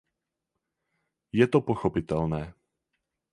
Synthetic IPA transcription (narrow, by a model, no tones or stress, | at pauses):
jɛt̪ɔpɔxɔpit̪ɛlnɛː